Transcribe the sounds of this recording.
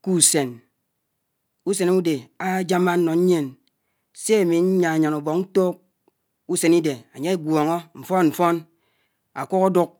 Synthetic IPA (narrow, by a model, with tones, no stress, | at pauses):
ku˦˨se˨n | u˦se˨n˦u˦de˨a˦d͡ʒa˦ma˦n̩˦nːɔ˨˦ɲe˦n | se˦a˨mi˨˦ɲa˨a˨ɲa˨nu˨bɔ˨k̚n̩˦to˦k̚ | u˦se˨ni˦de˨a˨ɲe˦e˦ɡʷɔ˨ŋɔ˦ɱ̩˨fɔ˦nm̩˨fɔ˦n | a̰˨ku˦ko˦du˦k̚